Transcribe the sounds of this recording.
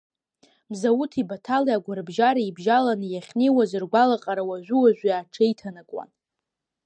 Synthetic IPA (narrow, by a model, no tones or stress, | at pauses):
mzawutʰibatʰaliaɡʷaɾɨbʒaɾaibʒalanjaχʲnewazɨrɡʷalaqʼaɾawaʒʷᶣuwaʒʷᶣijaːʈ͡ʂʰejtʰanakʷʼwa̰n